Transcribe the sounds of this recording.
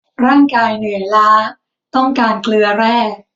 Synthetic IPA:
ɾaː˥˩ŋkaː˧jnɯ˨˩əjlaː˦˥ | t̪ɔ˥˩ŋkaː˧nklɯ˧ɐɾɛː˥˩k̚

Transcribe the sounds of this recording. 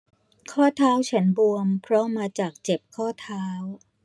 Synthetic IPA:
kʰɔː˥˩t̪ʰaː˦˥wt͡ɕʰa˦˥nbu˧əmpʰɾɔ˦˥maː˧t͡ɕaː˨˩k̚t͡ɕe˨˩p̚kʰɔː˥˩t̪ʰaː˦˥w

